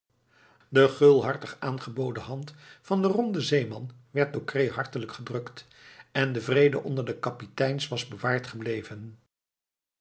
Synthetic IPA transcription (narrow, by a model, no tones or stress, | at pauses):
dəχɵlˠɦɑɹtəχaːnχəbowdəɦɑntfɑndərɔndəzejmɑnʋɛɹt̚dʊːɹkrejɦɑɹtələkχədrɵkt | ɛndəvrejdəʔɔndəɹdəkɑpitɛjnsʋɑzbəʋaːɹtχəblejvən